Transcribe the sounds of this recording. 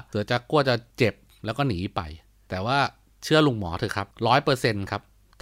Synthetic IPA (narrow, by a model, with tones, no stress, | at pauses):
sɯ˩˦t͡ɕa˨˩ku˥˩ət͡ɕa˨˩t͡ɕe˨˩p̚ | lɛː˦˥wkɔː˥˩niː˩˦pa̰˧j | t̪ɛː˨˩waː˥˩ | t͡ɕʰɯ˥˩ɐlu˧ŋmɔː˩˦t̪ʰɯː˧˩kʰa˦˥p̚ɾɔː˦˥jpɤː˧se˧nkʰa˦˥p̚ʰ